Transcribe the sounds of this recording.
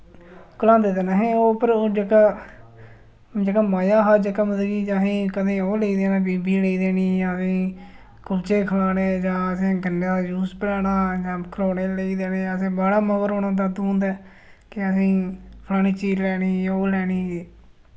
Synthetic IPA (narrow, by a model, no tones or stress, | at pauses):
kəlãːnd̪eːd̪eːnaːɦẽːoːpəɾoːd͡ʒəkaː | d͡ʒəkaːmaːjaːɦaːd͡ʒəkaːməd̪ɡiːd͡ʒaːsĩːkəd̪ẽːoːleiːd̪eːnãːbiːbiːleiːd̪eːniːãəsĩː | kʊbt͡ʃeːkʰəlaːneːd͡ʒãːəs̬ĩːɡʱənːaːd̪aːd͡ʒuːspəlaːnaːd͡ʒãːkʰəloːneːleiːd̪eːneːəs̬ĩːbaːɽaːməɡəɾoːnãːd̪aːd̪uːnd̪ɛː | kɪəsĩːkʰəlaːniːt͡ʃiːɾlɛːniːoːlɛːniː